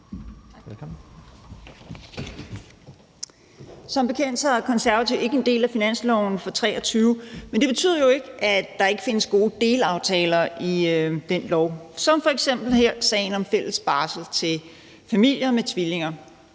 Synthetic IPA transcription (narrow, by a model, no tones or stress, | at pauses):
sɒ̽mb̥e̝kʰen̰d̥sɐæɐkʰɒ̽nsæɐʋæt͡sʰiʊe̝ɡ̥əe̝nd̥e̝̰ːlæfinæn̰slɒʊn̩fɒ̽t͡sʰʁɛ̰ːɒt͡sʰyːʊmend̥e̝b̥e̝t͡sʰy̰ð̰ˠɐjo̝e̝ɡ̥əʔæd̥ɑ̈e̝ɡ̥əfe̝nəsɡ̥o̝ːəd̥e̝ːlɑ̈ʊt͡sʰɛːlɐʔid̥enlɒʊ̰sɒ̽mfɒ̽eɡ̥sem̰b̥l̩heɐ̰sɛ̰ɪn̩ɒ̽mfel̰əsb̥ɑ̈ːsl̩t͡sʰe̝l | fæmil̰jɐmet͡sʰʋile̝ŋɐ